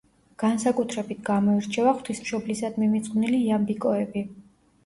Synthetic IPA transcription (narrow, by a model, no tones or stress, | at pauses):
ɡ̥ansakʼut̪ʰɾɛbit̪ʰɡamɔiɾt͡ʃʰɛvaχwt̪ʰismʃɔblisad̪mimit̪sʼqʼvniliːambikʼɔɛbi